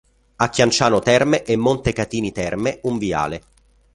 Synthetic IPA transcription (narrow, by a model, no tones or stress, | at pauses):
akʲːjant͡ʃaːnot̪ɛrmeʔemːont̪ekat̪iːnit̪ɛrmeuɱvia̰ːle